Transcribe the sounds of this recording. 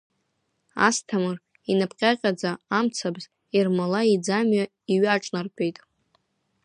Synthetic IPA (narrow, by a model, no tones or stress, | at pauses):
a̰stʰamɨr | inapʰʼqʲʼaqʲʼad͡zaːmt͡sʰabz | irmalaid͡zamɥa | iɥaʈ͡ʂʼnarkʲʷʼejtʼ